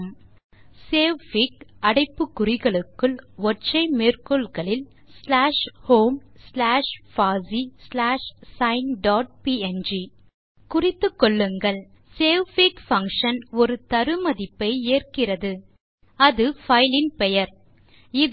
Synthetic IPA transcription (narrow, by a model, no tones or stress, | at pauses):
m | seːʋfikɐɽɐɪpːɯkːʊrɪɣɐɭɯkːɯɭɔʈt͡ʃːɐɪmeːrkɔɭɣɐɭɪl | slaːʂhoːmslaːʂfaːzislaːʂsɐɪnɖaːʈ̚piːɛnd͡ʒi | kʊrɪt̪ːɯkːɔɭːɯŋɡɐɭ | seːʋfikfɐŋkʂɐnɔɾɯt̪ɐɾɯmɐðɪpːɐɪeːrkɪrɐðɯ | ɐðɯfɐɪlɪnpɛjɐɾ | ɪ